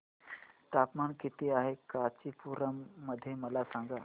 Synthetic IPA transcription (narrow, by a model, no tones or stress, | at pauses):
t̪apmaɳkit̪iːaɦekat͡ɕipuɾəmːəd̪ʱːjeməlasãŋɡa